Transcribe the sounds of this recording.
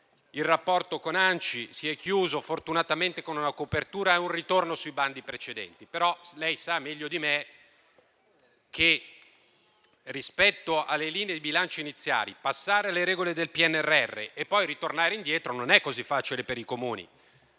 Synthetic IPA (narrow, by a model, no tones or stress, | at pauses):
ilrapːɔrt̪okonant͡ʃisiɛkːjuːzofort̪unat̪ament̪ekonunakopert̪uːɾaeunrit̪ornosujband̪ipɾet͡ʃed̪ɛ̰nt̪ipeɾɔlɛjsamːɛʎːod̪ime | kʰːe | rispɛt̪ːoʔalːeliːneed̪ibilant͡ʃeinit̪sːja̰ːlḭpasːaːɾealːeɾɛːɡoled̪elpiɛnːɛrːɛrːḛʔepːɔjɾit̪ornaːɾeind̪jɛːt̪ɾononɛkːozifːaːt͡ʃilepeɾikomuːnḭ